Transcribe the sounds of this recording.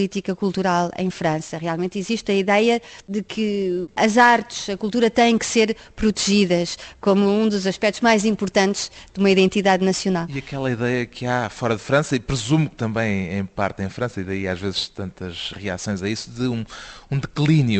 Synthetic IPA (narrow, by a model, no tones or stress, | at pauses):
lˠit̪ikɐkulˠt̪uɾalˠḛ̃j̃fɾɐ̃sɐʁialˠmẽnt̪iziʃt̪ɐiðɛjɐðɨkʰɨɐzaɾt̪ɨ̥ʃɐkulˠt̪uɾɐt̪ɐ̃jẽkseɾpɾut̪ʒiðɐʃkomuũd̪uzɐʃpɛk̚t̪uʒmajzĩmpuɾt̪ɐ̃nt̪ʒ̥ðumɐiðẽnt̪iðaðnɐsiunalˠiɐkɛlˠɐiðɛjɐkʰɨafɔɾɐðɨfɾɐ̃sɐipɾɨzumukt̪ɐ̃mbɐ̃j̃ẽj̃pa̰ɾt̪ẽj̃fɾɐ̃sɐiðɐiaʒvezɨʃt̪ɐ̃nt̪ɐʃʁia̰sõj̃zɐisuðɨũũd̪ɨklˠinju